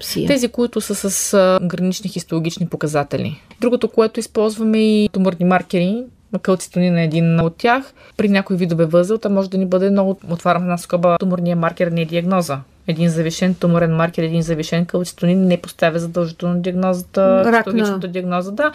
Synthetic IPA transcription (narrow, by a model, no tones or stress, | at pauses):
t̪ɛzikoit̪ʊsəsəsɡɾɐnit͡ʃnixist̪olˠoɡʲit͡ʃnipokɐzat̪ɛlʲḭd̪ɾuɡot̪okoɛt̪ʊispɔlˠzvɐmɛit̪omʊɾnimaɾkɛɾi | kəlˠt̪si̥t̪oninɐɛd̪inot̪ːʲjax | pɾinʲakoivid̪ovɛvɤzvɛlˠt̪amɔʒɛd̪ɐnibɤd̪ɛmnɔɡʊot̪vaɾʲɐmɛd̪naskɔbət̪omʊɾnijɐmaɾkɛɾnɛd̪iɐɡnɔzə | ɛd̪inzɐviʃɛnt̪omoɾɛnmaɾkɛɾɛd̪inzɐviʃɛnkəlˠt̪si̥t̪oninːɛpost̪avʲɐzɐd̪ɐlˠʒit̪ɛlˠnod̪iɐɡnɔzət̪əɾiolˠɡʲit͡ʃnt̪əd̪iɐɡnɔzəd̪a